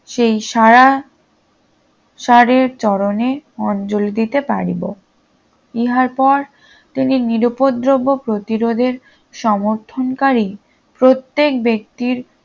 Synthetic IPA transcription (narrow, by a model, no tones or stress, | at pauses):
ʃejʃaɾa | ʃaɾeɾt͡ɕɔɾoneɔnd͡ʑold̪it̪epa̰ɾibo | iɦaɾpɔɾ | t̪ininiɾopod̪ɾobːopɾot̪iɾod̪ʱeɾ | ʃɔmoɾt̪ʰonkaɾi | pɾot̪ːek̚bek̚t̪iɾ